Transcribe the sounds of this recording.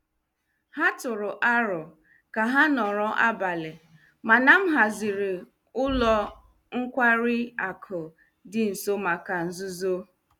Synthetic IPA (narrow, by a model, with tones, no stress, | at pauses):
ha˦tʊ˨ɾʊ˨ʔa˦ɾɔ˨ | ka˨ɦa˦nɔ˨ɾɔ˦ʔa˦ba˨lɪ˨ | ma˨na˨m̩˦ɦa˨zɪ˨ɾɪ˨ | ʊ˦lɔ˦ | ŋ̩˦kʷa˦ɾɪ˦a˨kʰʊ˨ | dɪ˨n̩˨so˦ma˨ka˨n̩˨zʊ˦zo˦